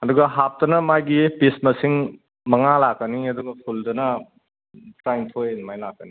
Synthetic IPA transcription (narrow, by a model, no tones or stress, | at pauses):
ɐduɡɐɦap̚tɐnɐmajɡipismɐsiŋ | mɐŋalakːɐniɐduɡɐpʰuldɐnɐ | tɾajntʰojnɐmajlakːəni